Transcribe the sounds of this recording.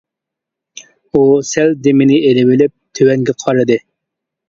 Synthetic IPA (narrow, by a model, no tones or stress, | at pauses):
usɛld̪emɪnɪelɪwɪlɪp̚t̪ʰøwɛŋɡʲɛqʰɑɾɨd̪ɨ